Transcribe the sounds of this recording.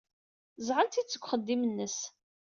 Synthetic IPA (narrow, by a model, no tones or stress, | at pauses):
zʕənt̪it͡sːə̥kʷːχəd̪ːimənːəs